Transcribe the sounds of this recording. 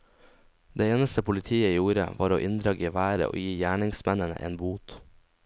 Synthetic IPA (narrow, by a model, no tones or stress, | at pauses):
d̪eːeːnəst̪əpʰʊlɪt̪ʰiːəjuːɾə̰ʋɑ̰ːɾo̰ːʔɪnd̪ɾɑːɡiːʋæːɾə̰ʔo̰ːjiːjæːɳɪŋsmɛnənə̰ʔḛːnbuːt̪